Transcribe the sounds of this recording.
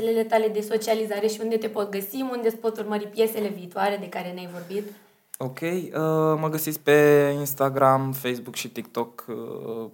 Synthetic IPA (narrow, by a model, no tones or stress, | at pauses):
elele̞t̪ale̞d̪e̞so̞t͡ʃializaɾe̞ʃiund̪e̞t̪e̞po̞t̪̚ɡəsiund̪e̞spo̞t̪urməɾipje̞se̞le̞viːt̪oaɾe̞d̪e̞kaɾe̞neajvo̞rbit̪ | okʲejəməɡəsit̪sʲk̚ʲpe̞inst̪aɡɾamfejsbukʃit̪ik̚t̪o̞k